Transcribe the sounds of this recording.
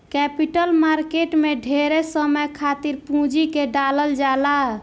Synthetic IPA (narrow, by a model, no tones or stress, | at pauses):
kɛpiʈəlmaɾkeʈmeɖʱeɾesəməjkʰat̪iɾpũd͡ʒikeɖaləld͡ʒala